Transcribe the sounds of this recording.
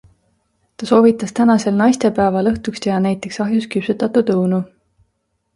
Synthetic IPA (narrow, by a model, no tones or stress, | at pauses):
t̪ɑso̞ːvit̪ːˑɑst̪ænɑse̞lnɑjst̪e̞pæːvɑlɤht̪ukst̪ehɑnæjt̪ːˑe̞ksɑɦjuskypsut̪ːˑɑt̪ːˑut̪ɤwnu